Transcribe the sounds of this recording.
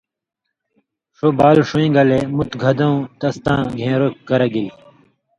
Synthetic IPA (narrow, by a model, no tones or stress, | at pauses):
ʂobaːlʂuĩɡɐlemut̪ɡʱɐd̪ɐũt̪ɐst̪ãːɡʱẽːɾokːɐɾɐɡii